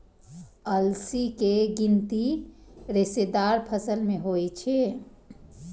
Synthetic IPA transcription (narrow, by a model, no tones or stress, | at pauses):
əlsikeɡint̪iɾesed̪aɾpʰəsəlmeɦojt͡ʃʰe